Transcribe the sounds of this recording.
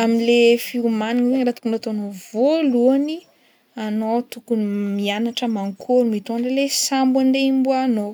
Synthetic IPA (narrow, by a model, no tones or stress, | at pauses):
aminlefiumaninilenɾat̪u̥kunat̪oanovoluani | anot̪ukunmianaʈ͡ʂəmaŋkʰoɾumit̪oɳɖ͡ʐelesambwand̪eimbuano